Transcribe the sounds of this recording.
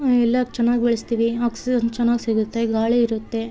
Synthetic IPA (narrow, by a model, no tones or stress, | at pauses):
ɛlːɐt͡ʃɛnːaːɡibeɭest̪iːʋiaːksiid͡ʒɐnt͡ʃɛnːaːɡisiɡut̪ːe̞ɡaːɭeiɾut̪ːe̞